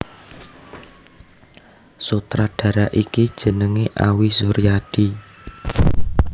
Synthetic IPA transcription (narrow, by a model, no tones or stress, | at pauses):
sut̪ɾaɖ̥ä̤ɾaʔikid̥ʒ̥ə̤nəŋeʔawisuɾijaɖ̥i